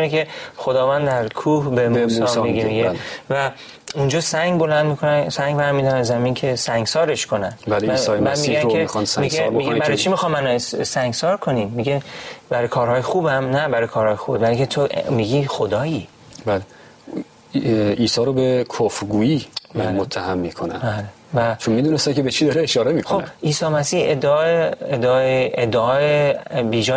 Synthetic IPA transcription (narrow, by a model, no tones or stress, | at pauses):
nekʰe̞xod̪ɒːvænd̪d̪æɾkʰuːhbemusɒːmiɡemiɡelvæ | und͡ʒɒːsæŋɡbo̞lænd̪miːkʰonæsæŋɡbæɾmid̪ɒæzæmincʰe̞sæŋɡsɒːɾe̞ʃkʰo̞nænbælemisɔːmænmiɡæmeixɒnsmieɾmiɡæbæɾɔjt͡ʃʰimixɒːmːænɒssæŋɡsɒːɾkʰo̞nimːiɡebæɾjkʰɒːɾhɒːjexuːbæmnæbæɾɒːjkʰɒːɾhɒːjexubebælikʰet̪ʰomiɡixod̪ɒːi | bæle | iːsɒːɾobekʰofɾɡuːiːbmot̪ʰːæhæmːiːkʰonæ̰nbæːle | væt͡ʃʰonmid̪unest̪ækʲʰebet͡ʃʰid̪ɒɾeeʃɒːɾemiːkxoobæ̰iːsɒːmæsiːhed̪ːeɒːeed̪ːjeed̪ːeɒːebiːd͡ʒɒː